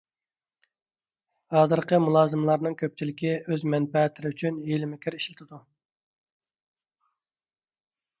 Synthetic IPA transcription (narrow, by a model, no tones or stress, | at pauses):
hɑːzɨɾqʰəmulˠɑːzɨmlˠɑɾnɨŋkʲʰøp̚t͡ʃʰilɪkʲʰiøzmɛnpɛːt̪ʰɪɾɪyt͡ʃʰynjelɪmɪkʲiɾiʃlɪt̪ʰɪd̪u